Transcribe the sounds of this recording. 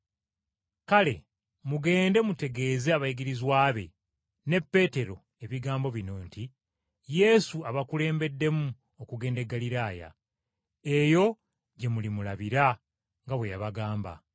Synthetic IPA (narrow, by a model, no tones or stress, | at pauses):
kale̞̰ | muɡe̞ːnde̞mute̞ɡe̞ːzeaβajiɡiɾizwaːβe̞̰ | ne̞pːe̞te̞ɾo̞̰ | e̞βiɡaːmbo̞βinoːnti | je̞suaβakule̞ːmbe̞dːe̞mu | okuɡe̞ːnde̞ɡːaliɾaːja̰ | e̞jo̞ | ɟe̞mulimulaβiɾa | ŋɡaβwe̞jaβaɡaːmba̰